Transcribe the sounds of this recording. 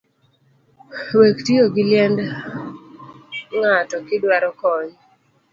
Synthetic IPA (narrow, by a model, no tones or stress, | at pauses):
wektioɡɪljɛnd | ŋatɔkɪdwaɾɔkɔɲ